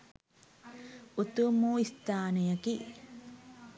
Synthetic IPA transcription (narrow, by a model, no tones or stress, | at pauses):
ut̪umuist̪aːnejɐki